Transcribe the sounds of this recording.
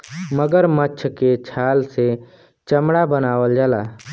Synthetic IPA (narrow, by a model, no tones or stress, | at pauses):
məɡəɾmətːt͡ʃʰket͡ʃʰaːlse | t͡ʃəmɽabənaːʋəld͡ʒalaː